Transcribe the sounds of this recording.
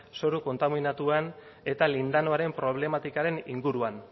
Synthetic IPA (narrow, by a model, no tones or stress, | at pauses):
so̞ɾuko̞nt̪aminat̪uan | e̞t̪alind̪ano̞aɾe̞mpɾo̞β̞le̞mat̪ikaɾe̞nḭŋɡuɾuan